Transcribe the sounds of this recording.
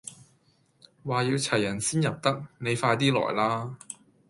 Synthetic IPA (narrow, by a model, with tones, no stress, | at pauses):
waː˨˩jiː˧wt͡sʰɐ˨˩jːɐ˨˩nsiː˥njɐ˨p̚t̪ɐ˥k̚ne˨˧jfaː˧jt̪̬iː˥lɔ̰ː˨˩jlaː˥